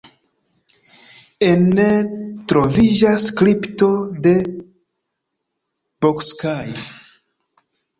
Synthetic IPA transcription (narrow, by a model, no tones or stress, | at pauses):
enːetɾo̞vid͡ʒaskɾipto̞de̞ | b̥okskaj